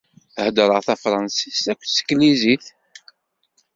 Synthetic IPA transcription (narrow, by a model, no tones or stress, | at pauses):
θhd̪ɾˤəʁθæfɾˤɑnsisækʷːsə̥kːliziθ